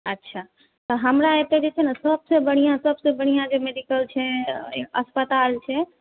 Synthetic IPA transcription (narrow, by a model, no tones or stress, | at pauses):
ətːʃʰa | t̪oɦəmɾãet̪ed͡ʒet͡ʃʰenasəbsebəɽ̃ijãsəbsebəɽ̃ijãd͡ʒemeɖikəlt͡ʃʰeeə̰spət̪alt͡ʃʰe